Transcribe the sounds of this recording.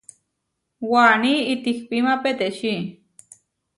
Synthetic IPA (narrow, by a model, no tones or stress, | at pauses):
waniit̪ihpimapet̪eʃi